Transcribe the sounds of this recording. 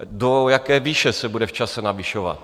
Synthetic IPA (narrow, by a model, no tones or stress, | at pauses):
dojakɛːviːʃɛsɛbudɛft͡ʃasɛnaviʃova̰t̪